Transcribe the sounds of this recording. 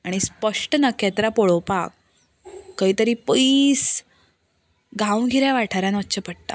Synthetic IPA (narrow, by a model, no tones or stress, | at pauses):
aɽ̃ispəʂʈənakɛt̪ɾapoɭowpakː | əɦit̪əɾiːpəis | ɡãw̃ɡʱiɾjaʋaʈʰaɾjãnətːɕʰəpəɽt̪a̰